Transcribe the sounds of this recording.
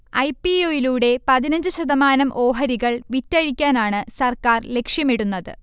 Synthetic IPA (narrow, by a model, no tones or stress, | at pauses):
ɐjpioːjiluːɽe̞pɐðinɐɲd͡ʑɨɕɐðɐmaːnɐmʔo̞ːɦɐɾiɣɐɭʋitːɐɻikʲːaːnaːɳɨsɐrkaːrle̞kʂjɐmiɽunːɐðɨ̰